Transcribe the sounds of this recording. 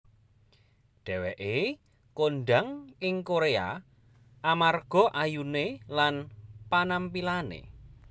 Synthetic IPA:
ɖ̥ɛ̤wɛʔe | konɖaŋɪŋkoɾea̰ | ʔamarɡ̥ɔ̤ʔajunelanpanampilanḛ

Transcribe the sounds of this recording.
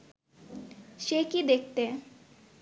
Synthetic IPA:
ʃekid̪ek̚ʰt̪e

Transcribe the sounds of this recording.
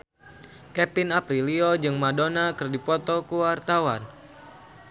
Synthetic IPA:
kɛpinapɾiliod͡ʒɨŋmadonakɨrdipɔt̪ɔkuwart̪awan

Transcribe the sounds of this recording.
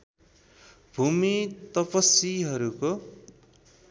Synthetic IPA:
bʱumit̪ʌpʌsiɦʌɾuko

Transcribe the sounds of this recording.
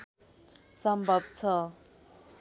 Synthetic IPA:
sʌmbʱʌbt͡sʰʌ

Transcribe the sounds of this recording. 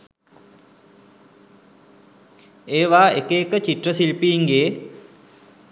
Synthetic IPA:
eːʋaːekeːkət͡ɕiʈrəsilpiːŋɡeː

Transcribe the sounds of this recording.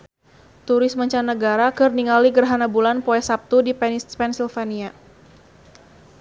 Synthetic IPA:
t̪uɾɪsməɲt͡ʃanːəɡaɾakɨrniŋaliɡərɦanabulanpoɛsap̚t̪udipɛnspɛnsilfania

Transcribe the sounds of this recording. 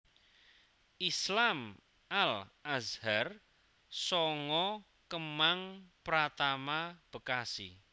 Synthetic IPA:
islam | alazhar | sɔŋɔ | kəmaŋpɾat̪amab̥əkasi

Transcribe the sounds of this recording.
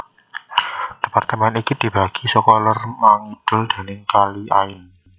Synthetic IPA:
d̪̥ə̤part̪əmɛnikid̪̥i̤b̥a̤ɡ̥isəkɔlarmaŋid̪̥ʊld̪̥a̤nɪŋkaliʔaɪn

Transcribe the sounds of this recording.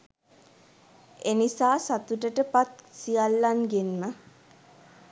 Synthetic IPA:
enisaːsat̪uʈəʈəpat̪̚sijalːanɡenmə

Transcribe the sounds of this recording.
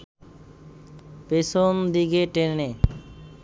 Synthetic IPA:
peʃond̪iɡeʈene

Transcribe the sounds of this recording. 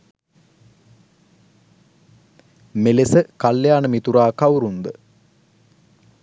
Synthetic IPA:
melesəkaljaːnəmit̪uɾaːkawɾund̪ə

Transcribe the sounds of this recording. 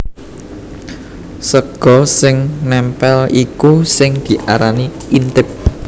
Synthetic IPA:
səɡ̥ɔ̤sɪŋnɛmpɛlikusɪŋd̪̥i̤ʔa̰ɾani | int̪ɪp̚

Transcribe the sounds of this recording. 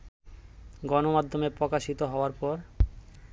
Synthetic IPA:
ɡɔnomad̪ʱːomepɾɔkaʃit̪oɦɔoaɾpɔɾ

